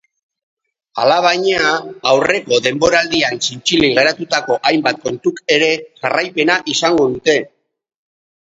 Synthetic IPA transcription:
alaβ̞ajɲeaːwre̞ko̞ðe̞mbo̞ɾaːld̪iansint͡siliɣe̞ɾat̪ut̪ako̞ʔajmbat̪̚ko̞nt̪uke̞ɾe̞ʝa̰rajpe̞naʔisaŋɡo̞ðut̪e̞

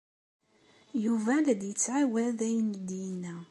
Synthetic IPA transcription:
juvæld̪jət͡sːʕawæðæjənd̪jənːæ

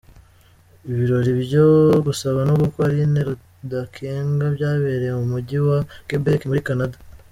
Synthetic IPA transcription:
iβiɾo̞ɾibjo̞ɡusaβanoɡukoaɾineɾu | dakʰeːŋɡabɟaːβe̞ɾemumuɟiwakebekmuɾikanadḁ

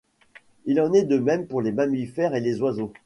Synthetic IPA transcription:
ilɑ̃nɛd̪əmɛmpuʁlemamifɛʁelezwazo

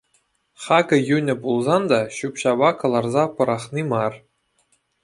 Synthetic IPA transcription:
χɑɡɤ̆junʲɘ̆bulˠzɑnd̪ɑɕupɕɑbɑkɤ̆lˠɑrzɑpɤ̆ɾɑχnimɑr

